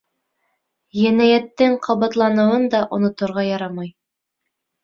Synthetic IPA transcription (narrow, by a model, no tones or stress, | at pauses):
jænæjæt̪ːɘŋqʰɑβɑt̪lˠɑnɤ̆wɤnd̪ɑʔŏnŏt̪ŏɾʁɑjɑɾɑmɑj